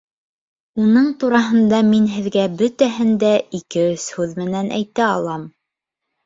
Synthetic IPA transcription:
unɤɴt̪uɾɑɦɤ̆nd̪ɑminɦɘ̆ðɡæbɵt̪æɦɘnd̪æikɘɵshʉðmɘ̆nænʔæ̰jt̪æɑlˠɑm

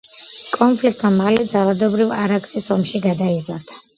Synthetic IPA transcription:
kʼɔnpʰlik̚ʰt̪ʼmamalɛd̪zalad̪ɔbɾivaɾaksisɔmʃiɡad̪aiza̰ɾd̪̥ʰa

